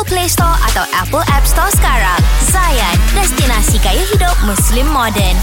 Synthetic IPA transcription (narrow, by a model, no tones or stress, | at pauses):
plest̪ɔʔa̰t̪awʔɛpəlʔɛpst̪ɔsə̥kaɹãŋzajandɛst̪inãsikajuhidʊp̚mũslĩmːɔdən